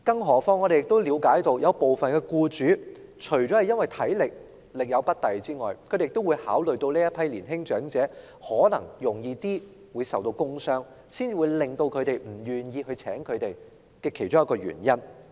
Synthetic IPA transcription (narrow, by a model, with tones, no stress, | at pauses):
kɐ˥˧ŋɦɔː˨˩fɔː˥ŋːɔː˨˧e˨jɪ˨k̚t̪o˥wliː˨˧wkaː˨˥jt̪o˧wjɐ˨˧wpo˨wfɐ˨nkɛː˧kuː˧t͡ʃyː˨˥t͡ʃʰɵ˨˩t͡ʃɔː˨˥hɐ˨˩jɐ˥nwɐ˨jt̪ʰɐ˨˥jlɪ˨k̚ | lɪ˨k̚jɐ˨˧wpɐ˥t̚t̪ɐ˨jt͡siː˥ŋɔː˨jkʰɵ˨˧˥te˨jɪ˨k̚t̪o˥wu˨˧jhaː˨˥wlɵ˨ɥt̪o˧wliː˥jɐ˥pʰɐ˥jliː˨˩nɦɪ˥ŋt͡ʃœː˨˥ŋt͡sɛː˨˥ | hɔː˨˥nɐ̰˨˩ŋjʊ˨˩ŋjiː˧t̪iː˥ | wuː˨˧jsɐ˨wt̪o˧wkʊ˥ŋsœː˥ŋ | siː˥nt͡siː˨wuː˨˧jlɪ˨˩ŋt̪o˧wkʰɵ˨˧ɥt̪e˨jm̩˨˩jyː˨˩njiː˧ɦɵ˧ɥt͡sʰɛ̰ː˨˥ŋkʰɵ˨˧ɥt̪e˨˩j | kɛː˧kʰe˨˩jt͡ʃʊ˥jɐ˥kɔː˧ɥy̰ː˨˩njɐ˥n